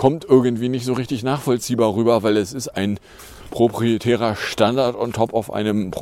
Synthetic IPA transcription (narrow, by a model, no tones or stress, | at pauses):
kʰɔmtʔɪɐɡn̩tv̥iːnɪçtz̥oːʁɪçtɪçnaːχfɔlt͡siːbaːʁyːbɐvaɪlɛsɪstaɪn | pʁ̥opʁ̥ietʰɛːʁ̞ɐʃtandaɐtʊntʰhɔpaʊfʔa̰ɪnəmp